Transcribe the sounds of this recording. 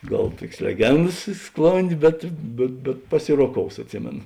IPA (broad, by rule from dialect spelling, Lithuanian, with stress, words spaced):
ˈɡɐlˠ ˈtuɔkʲeːs lʲɛˈɡʲɛndɐs ɪ ˈsklˠoːnʲdʲeː ˈbʲɛt bʲɛt bʲɛt pɐˈsʲɪroːˌkoːʊs ɐtʲˈsʲɪmʲeːnoː